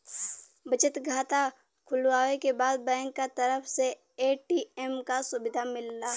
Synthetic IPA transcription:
bət͡ʃət̪ɡʱaːt̪a | kʰʊlwaːʋekebaːd̪̚bɛ̃ːŋkːat̪əɾəpʰse | eːʈiemkasʊbɪd̪ʱamɪlːaː

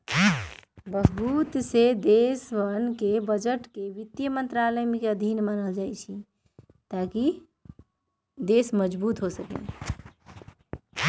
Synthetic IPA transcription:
bəɡbut̪sed̪esʋənkebəd͡ʒəʈkeʋit̪jəmənt̪ɾaləjmekeəd̪ʱinmanəld͡ʒajt͡ʃʰi | t̪aki | d̪esməd͡ʒbut̪ɦosəkḛn

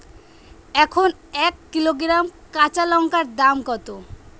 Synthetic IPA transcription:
ɛkʰon | ɛkːiloɡɾamkat͡ɕalɔŋkaɾd̪amkɔt̪o

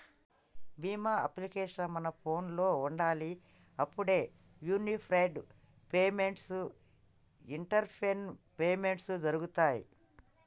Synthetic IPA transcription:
biːmaːɐ̰plikeːʂɐɐmɐnɐpʰo̞ːnlo̞ːuɳɖaːli | ɐpːuɽe̞ː | juːnipʰɾɐjɖ | pe̞ːmeɳʈsu | iɳʈɐɾpʰenpeːme̞ɳʈsud͡ʒɐɾuɡut̪aːjḭ

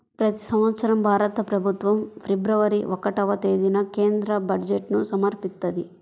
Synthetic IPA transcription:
pɾɐt̪i̥sɐmʋɐt̪sɐɾɐmbʱaːɾɐt̪ɐpɾɐbʱut̪ʋɐmpʰebɾɐʋɐɾiʔɔkɐʈɐʋɐt̪eːd̪inɐkeːnd̪ɾɐbɐɖd͡ʒeʈnusɐmɐɾpist̪ːɐd̪i

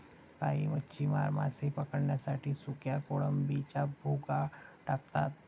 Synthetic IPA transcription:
ka̰ɦiːmətːɕʰimaɾma̰sepəkəɽɳjasaʈʰiːsukjakoɭəmbit͡ɕabʱuɡaʈak̚t̪a̰t̪̚

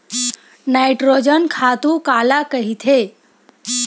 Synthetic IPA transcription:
naɪʈɾod͡ʒənkʰaːt̪ũkaːlakəɦit̪ʰe

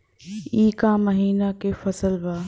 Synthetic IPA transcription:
iːkãːmɐɦiːnakeːfɐsəlʋaː

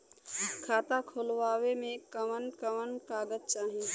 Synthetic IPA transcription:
kʰaːt̪akʰoːlwaːwemẽkəmənkəmənkaːɡəd̚t͡ʃaːɦi

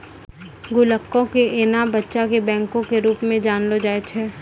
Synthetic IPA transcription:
ɡʊləkːõkeʔeːnabətːʃakebɛ̃ːŋkõkeɾuːpmẽd͡ʒaːnlod͡ʒaːet͡ʃʰɛː

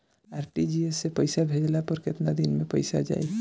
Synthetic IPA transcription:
aːɾpid͡ʒiesːepəɪsabʱed͡ʒlapəɾkɪt̪nad̪inmẽpəɪsa̰d͡ʒa̰ːe

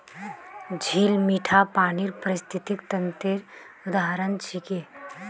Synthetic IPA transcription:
d͡ʒʱiːlmiːʈʰapaːniɾpəɾɪst̪ʰit̪ikt̪ənt̪ɪɾ | ʊd̪aɦəɾənt͡ʃʰike

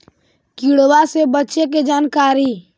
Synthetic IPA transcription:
kiɽwasebətːʃeked͡ʒaːnkaːɾi

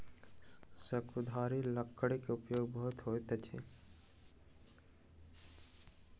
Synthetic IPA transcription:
səkʊd̪ʱaːɾilɐkːəɽikeʊpjoːɡbəɦʊt̪ɦoːet̪et͡ʃʰḛ

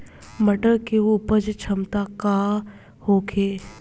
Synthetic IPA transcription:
məʈəɾkeuːpəd͡ʒt͡ʃʰɐmt̪aka | hokʰeː

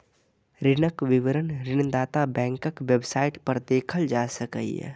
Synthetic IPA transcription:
ɾɪnəkʋɪʋəɾənɾɪnd̪aːt̪abɛ̃ːŋkəkʋebsaːɪʈpɐɾd̪eːkʰəld͡ʒaːsəkə̰ḭɛ̰ː

